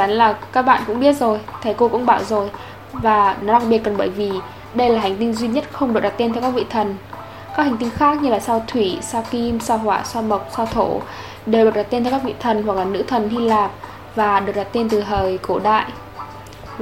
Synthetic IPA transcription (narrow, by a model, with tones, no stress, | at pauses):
a˨˦nlaː˨˩kaː˦˥k̚ɓa̰ː˧˨nkʊ̰˧˥ŋ͡mɓi˦˥ət̚zo˨˩jt̪ʰə˨˦jko˧kʊ̰˧˥ŋ͡mɓaː˧˩wzo˨˩j | vaː˨˩nɔ˨˦ɗa˨˧˩ŋ̚ɓi˨˩ət̚kɔ˨˩nɓəː˧˩jvi˨˩ | ɗə˧jlaː˨˩ɦa˨˩jŋ̟t̪̬i˧ŋzwi˧ɲə˦˥t̚xə˧wŋ͡mɗ̚ɗa˨˩t̚t̪e˧t̪ʰɛ˧wkaː˦˥k̚vḭ˧˨t̪ʰə˨˩n | kaː˦˥k̚ha˨˩ŋ̟t̪i˧ŋ̟xaː˦˥k̚ɲɨ˧laː˨˩saː˧wt̪ʰwi˧˩saː˧wki˧msaː˧wɦwaː˧˩swaː˧mə˨˩wk͡p̚saː˧wt̪ʰo˧˩ | ɗe˨˩wɗk̚ɗa˨˩t̪̚e˧nt̪ʰɛ˧wkːaː˦˥k̚vḭ˧˨t̪ʰə˨˩nhwa˨˩k̚laː˨˩nɨ̰˧˥t̪ʰə˨˩nhi˧laː˨˩p̚ | vaː˨˩ɗɨ˨˩k̚ɗaː˨˩t̪e˧nt̪ɨ˨˩ɦəː˨˩jko˧˩ɗa̰ː˧˨jʔ